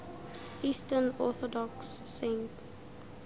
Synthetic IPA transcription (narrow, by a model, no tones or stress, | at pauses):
istənɔθɔdɔksːẽnts